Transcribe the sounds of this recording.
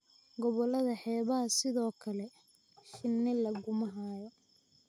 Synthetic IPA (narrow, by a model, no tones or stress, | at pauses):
ɡɔβɔlɐðɐħɛːβɐɦɐsɪðɔːkʰɐlɛ | ʃɪnːɪlɐɣʊmɐɦaːjɔ